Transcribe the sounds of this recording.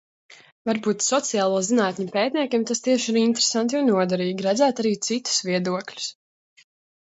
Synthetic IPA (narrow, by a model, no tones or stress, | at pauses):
vaɾbuːt̪sɔt̪sijaːlˠuːzinaːt̪ɲupeːt̪niɛkʲiɛmt̪ast̪iɛʃiɾint̪ɾesant̪jɔːnuɔd̪aɾiːɡʲiɾæd̪zæːt̪aɾiːt̪sit̪u̥sviɛd̪uɔklʲu̥s